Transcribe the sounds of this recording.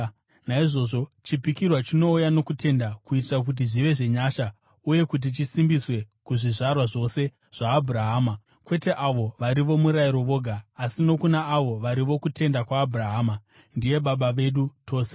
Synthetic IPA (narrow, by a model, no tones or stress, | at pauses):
naiʐo̞ːʐo̞t͡ʃipikirwat͡ʃino̞ujano̞kute̞ndakuitirak̬ut̬iʐiʋe̞ʐe̞ɲaʃa | uje̞kut̬it͡ʃisimbiswe̞kuʐiʐarwaʐo̞se̞ | ʐ̥aːbʱuɾaɦaːma | kwe̞te̞ʔaʋo̞ʋaɾiʋo̞muɾaiɾo̞ʋo̞ːɡʱaːsino̞kunaːʋo̞ʋaɾiʋo̞kute̞ndakwaːbʱuraɦaːma | ndije̞ɓaɓaʋe̞ɗutʰo̞ːse̥